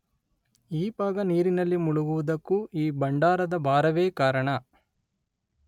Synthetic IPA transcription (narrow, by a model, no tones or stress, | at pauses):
iːbaːɡɐniːɾinɐlːimuɭuɡuʋud̪ɐkːuiːbɐɳɖaːɾɐd̪ɐbʱaːɾɐʋeːkaːɾɐɳɐ